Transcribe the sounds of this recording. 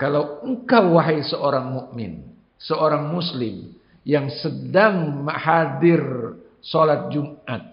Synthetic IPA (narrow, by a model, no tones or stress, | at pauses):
kalawəŋkawːaɦaisəʔoɾaŋmuʔmɪ̰n | səoɾaŋmuslɪm | jaŋsədaŋməhadɪr | solat̪̚d͡ʒumʔat̪̚